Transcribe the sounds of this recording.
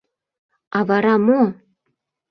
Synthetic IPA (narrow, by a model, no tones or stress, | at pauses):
ɑβɑɾɑmo